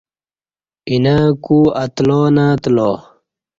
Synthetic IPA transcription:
inakuːɐt̪loːnaːt̪lo

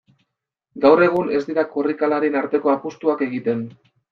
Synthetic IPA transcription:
ɡawre̞ɣ̞une̞zd̪iɾakorikalaɾenaɾt̪e̞ko̞apust̪uake̞ɣit̪e̞n

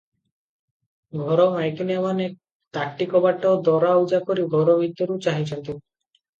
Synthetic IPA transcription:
ɡʱɔɾomajkinamanek | t̪akʈikɔbaʈːaod̪ɔɾaud͡ʑakoɾiɡʱɔɾobʱit̪ːoɾut͡ɕaɦit͡ɕʰɔnt̪e

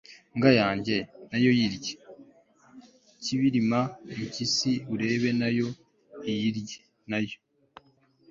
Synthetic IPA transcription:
ŋɡajaːɲɟe̞najo̞jiɾɟe | ciβiɾimamucisiuɾe̞ːβe̞najo̞ | ijiɾɟe | najo̞

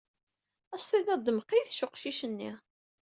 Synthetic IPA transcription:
æst̪ˤiðæd̪ːməqːijθʃʊqʃiʃənːi

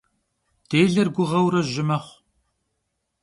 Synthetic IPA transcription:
d̥eːɮɐrɡʷʊʁɐwɾɐʒɪmɐχʷ

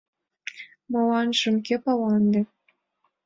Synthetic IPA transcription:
mɑlɑnʃɤ̆mkʲepɑlɑnd̪ĕ

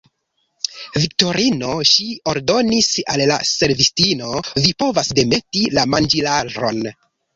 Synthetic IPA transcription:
vik̚to̞ɾʔino̞ʃio̞ɾdo̞nisalːa̰se̞ɾvistino̞vipo̞vasde̞me̞tilamand͡ʒilaɾo̞̰n

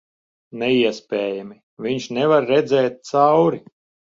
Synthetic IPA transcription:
nɛiɛspʲɛːjami | vʲiɲʃnɛvaɾːɛd̪zɛːt̪̚t̪sawɾi

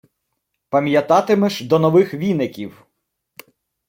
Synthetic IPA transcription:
pɐmʲjɐt̪ɑt̪ɪmɛʃd̪ɔnɔʋɪxʋʲinɪkʲiw

